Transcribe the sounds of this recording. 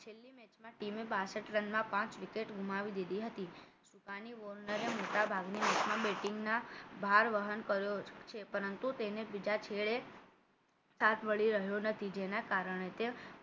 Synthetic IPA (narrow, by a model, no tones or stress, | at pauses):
t͡ʃʰelːimet͡ʃmãʈimebasəʈɾənmãpãt͡ʃʋikeʈɡʱumaʋid̪id̪iɦət̪i | ʃukaniʋoɾnəɾemoʈabʱaɡnimɛt͡ʃmãbeʈɪŋɡnabʱaɾʋəɦənkəɾjot͡ʃʰepəɾənt̪ut̪enebid͡ʒat͡ʃʰeɭe | sat̪ʰʋəɭiɾəɦjonət̪ʰid͡ʒenakaɾəɳet̪e